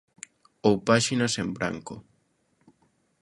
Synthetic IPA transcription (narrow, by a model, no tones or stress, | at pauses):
owpaʃinasembɾa̰ŋko̰